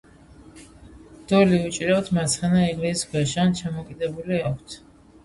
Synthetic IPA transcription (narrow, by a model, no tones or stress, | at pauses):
d̪̥ɔliut͡ʃʼɾɛwt̪ʰmat̪sʰχɛnaiŋɡlisisɡʰwɛʃant͡ʃʰamɔkʼid̪ɛbuliakʷʰt̪ʰ